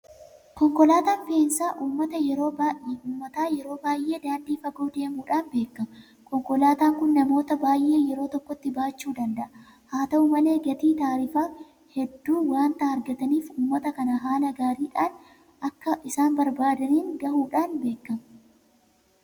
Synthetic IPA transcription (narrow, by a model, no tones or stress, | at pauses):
kɔŋkɔlaːt̪aːnbeːnsaːʔuːmːɐt̪ɐjɛɾo̞ːbauːmːɐt̪aːjɛɾo̞ːbaːjʔe̞ːd̪aːnd̪iːfɐɡoːd̪e̞ːmuːᶑaːnbe̞ːkːɐm | kɔŋkɔlaːt̪aːŋkʊnːɐmo̞ːt̪ɐbaːjʔe̞ːjɛɾo̞ːt̪ɔkːɔt̪ːɪbaːt͡ʃːuːd̪ɐnd̪ɐʔɐ | haːt̪ɐumɐle̞ːɡɐt̪iːt̪aːɾifaː | hɛd̪ːuːwaːnt̪aːhɐɾɡɐt̪ɐniːfuːmːɐt̪ɐkɐnɐɦaːlɐɡaːɾiːᶑaːn | ʔɐkːɐʔɪsaːnbɐɾbaːd̪ɐniːŋɡɐhuːᶑaːnbe̞ːkːɐm